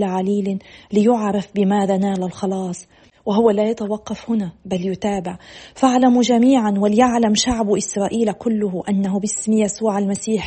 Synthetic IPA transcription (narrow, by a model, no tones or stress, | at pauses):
laʕaliːlɪlɪjʊʕɾˤɑfbɪmaːðanaːlalxɑlɑːsˤ | wɪɦʊwːalajat̪awɑqːɑfhʊnabaljʊt̪aːbɪʕfaʕlamʒamiːʕanwɪlɪjaʕlamʃaʕbʔɪsɾˤɑːʔiːlakʊlːʊɦʊʔanːaɦʊbɪsmɪjasuːʕalmasiːħ